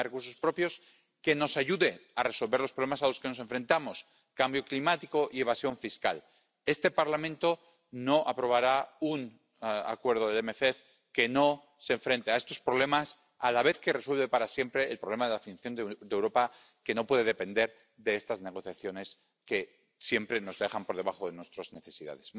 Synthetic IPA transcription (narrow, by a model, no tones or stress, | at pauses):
rekuɾs̬o̞spɾo̞pjo̞s | ke̞no̞saʝuðe̞are̞so̞lβe̞ɾlospɾolemasalo̞ske̞nos̬e̞ɱfɾe̞nt̪amo̞s | kambjo̞klimat̪iko̞ʔie̞β̞asjo̞ɱfiskal | e̞st̪e̞paɾlamẽ̞nt̪o̞ | no̞ʔapɾo̞β̞aɾaun | a̰kwe̞ɾð̞oðelemefef | ke̞no̞ | se̞ɱfɾe̞nt̪eaest̪o̞spɾo̞β̞le̞mas | alaβ̞e̞θke̞re̞swelβe̞paɾasje̞mpɾe̞ːlpɾoβle̞maðelafinθjond̪d̪ewɾo̞pa | ke̞no̞pwe̞ðeðepe̞nd̪e̞ɾ | ðe̞est̪azne̞ɣ̞o̞θjaθjo̞ne̞s | ke̞ | sje̞mpɾeno̞zðe̞xampo̞ɾð̞e̞βaχo̞ðe̞nwe̞st̪ɾozne̞θe̞siða̰ðes